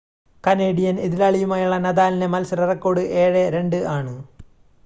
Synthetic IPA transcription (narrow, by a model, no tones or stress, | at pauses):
kɐneːɖijɐniðilaːɭijumaːjuɭːɐnɐðaːlinemɐlsɐɾɐrɐkːo̞ːɽɨʔeːɻeɾe̞ɳɖɨʔaːɳɨ